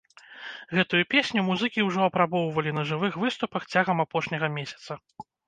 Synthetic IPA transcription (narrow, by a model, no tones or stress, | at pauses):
ɣɛt̪ujupʲesʲnʲumuzɨkʲiwʐɔɐpɾabɔwvɐlʲinɐʐɨvɨxvɨst̪upɐxt͡sʲaɣɐmapɔʂnʲɐɣɐmʲesʲɐ̥t̪sɐ